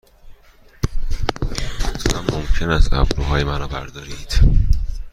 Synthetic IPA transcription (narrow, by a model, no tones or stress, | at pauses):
osæmːomcʰe̞næst̪æ̰bɾuːɦɒːjemænɒːbæɾd̪ɒːɾiːd̪̥